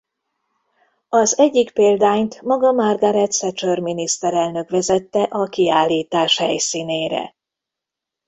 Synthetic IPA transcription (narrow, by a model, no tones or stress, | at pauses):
ɒzɛɟːikpeːld̪aːɲt̪mɒɡɒmɒrɡɒɾɛt̪sɛt͡ʃørminist̪ɛɾɛlnø̞kʋɛzɛt̪ːɛʔɒkiaːlːiːt̪aːʃhɛ̰jsiːneːɾɛ̰